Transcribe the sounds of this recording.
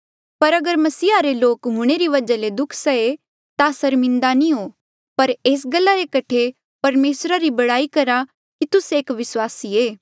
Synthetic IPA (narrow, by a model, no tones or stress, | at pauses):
pɐɾɐɡəɾmɐsiːaɾeloːkɦʊ̃ɽ̃eɾiʋɐd͡ʒaled̪ʊkʰsɐe | t̪asɐɾmɪ̃nd̪anĩɦoː | pɐɾeːs̬ɡɐlːaɾekɐʈʰe | pɐɾmeːsɾaɾibɐɽaːikɐɾa | kit̪ʊseːkʋɪswaːsieː